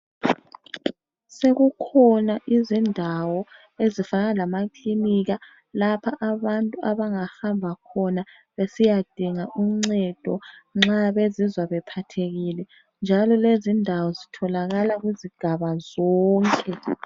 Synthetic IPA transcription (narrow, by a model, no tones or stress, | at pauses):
seɣukʰɔnaʔizindʱawɔ | ezifanalamakliniɣa | lapʰaʔaβantʼuʔaβaŋahambʱakʰɔna | βesijad̥ʱiŋaʔum̩ŋ͡ǀɛd̥ʱɔŋ͡ǁaβezizwaβɛpʰatʰeɣilɛ | nd͡ʒʱalɔlezindʱawɔzitʰɔlaɣalaɣwiziɡ̥ʱaβazɔːŋkʼɛ